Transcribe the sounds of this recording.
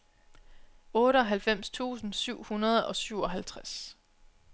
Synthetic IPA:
ɔːɾəɒ̽ɦælfem̰st͡sʰṵːsn̩syʊ̰hunɐð̞ˠɒ̽syʊ̰ɒ̽ɦælt͡sʰʁas

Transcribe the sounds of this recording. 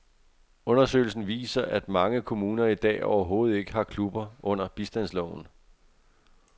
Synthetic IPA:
ɔ̽nɐsø̰ɪl̩sn̩ʋḭːsɐʔæd̥mɑ̈ŋəkʰo̝muːnɐid̥ɛ̰ːɒʊɐɦo̝ːð̩ˠe̝ɡ̥əhɑ̈kʰlub̥ɐɔ̽n̰ɐb̥isd̥æn̰slɒʊ̰n̩

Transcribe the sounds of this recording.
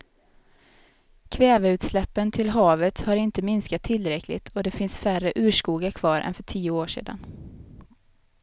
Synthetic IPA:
kʰvɛːvəʉ̟ːt̪slɛpːənt̪ʰɪlɦɑːvət̪haɾɪnt̪əmɪnskat̪ʰːɪlːɾɛkʰlɪ̰t̪ʰɔd̪ɛfɪnsfærəʔʉ̟ːʂkuːɡakʰvɑːɾʔɛ̰nfœʈʰiːʊoːʂḛːd̪a̰n

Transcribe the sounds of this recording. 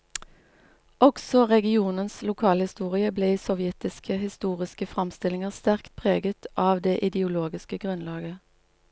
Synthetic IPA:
ɔɡsɔʁɛɡɪuːnənslʊkʰɑːləhɪst̪uːʁɪəbleːsɔʋjɛt̪ɪskʰəhɪst̪uːʁɪskəfʁɑmst̪ɪlɪŋəʁst̪æʁkt̪̚pʰʁeːɡət̪ʰʔɑːʋd̪eːʔɪd̪ɛʊloːɡɪskəɡʁʉnlɑːɡə

